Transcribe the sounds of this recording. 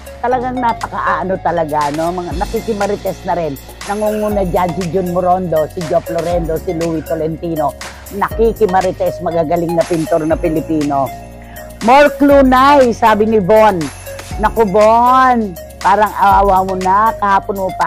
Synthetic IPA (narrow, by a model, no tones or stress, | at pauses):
t̪ɐlɐɡaŋnɐpɐkɐʔaʔɐnot̪ɐlɐɡano̞mɐŋanɐkikɪmɐɾɪt̪ɛsnɐɾɪnː | ɐŋuŋunɐd͡ʒansɪd͡ʒʊnmʊɾond̪o̞sɪd͡ʒoploɾɛnd̪o̞sɪluwit̪olɛnt̪iːno̞ | nɐkikɪmɐɾɪt̪ɛsmɐɡaɡɐlɪŋnɐpint̪oɾnɐpɪlɪpiːno̞ | moɹkluːnajsaːbɪnɪbonː | ɐkʊbon | paːɾɐŋɐwːwamonakɐhaːponmopɐ